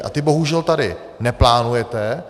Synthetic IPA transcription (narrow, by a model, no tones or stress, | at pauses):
ʔa̰t̪ɪbo̞ɦuʒɛlt̪adɪ | nɛplaːnujɛt̪ɛ